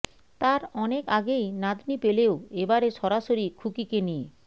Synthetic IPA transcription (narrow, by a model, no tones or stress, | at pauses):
t̪aɾɔnekaɡejnad̪ʱnipeleoebaɾeʃɔɾaʃoɾikʰukikenie